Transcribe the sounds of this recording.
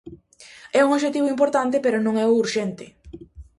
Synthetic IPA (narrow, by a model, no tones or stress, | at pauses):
ɛuŋoʃet̪iβʊimpoɾt̪ant̪ɪpeɾonõŋɛouɾʃɛnt̪ɪ